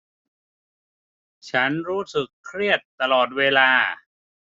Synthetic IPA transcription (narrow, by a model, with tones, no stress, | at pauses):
t͡ɕʰa˦˥nɾuː˦˥sɯ˨˩kʰːɾi˥˩ət̪ːa˧lɔː˨˩t̪̚weː˧laː˧